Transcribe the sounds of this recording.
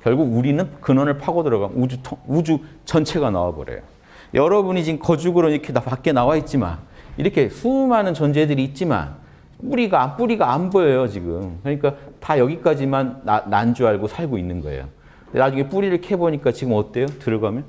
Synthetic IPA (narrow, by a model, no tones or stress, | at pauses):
kjʌɭɡuɡuɾinɯnkɯnʌnɯɭpʰaɡodʌɾaɡamj̰ud͡ʑutʰʌud͡ʑu | t͡ɕʌnt͡ɕʰe̞ɡana̰wabʌ̰ɾḛjo̰ | jʔʌɾʌbuɲit͡ɕiɯmkʌd͡ʑuɡɯɾoniɾʌkʰenapak͈e̞nawait̚t͡ɕ͈ima̰nḭɾʌkʰe̞sʰumɦanɯnt͡ɕʌnd͡ʑe̞dɯɾiːt̚t͡ɕ͈ima̰n | puɾiɡaːnp͈uɾiɡaːnbʌjʌjot͡ɕiɡɯmkɯɾʌɲik͈atajʌɡik͈ad͡ʑimanːaːand͡ʑuaɭɡosʰaɭɡoinːɯnɡʌḛjo̰ | ndenad͡ʑuŋe̞p͈uɾiɾɯɭkʰe̞boɲik͈at͡ɕiɡɯmʌt͈e̞jotɯɾʌɡamjʌn